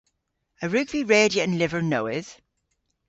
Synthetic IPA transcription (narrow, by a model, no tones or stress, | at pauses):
əɹʉɡv̥iɹeːdiəə̃nlɪvəɹnoʊɪð̥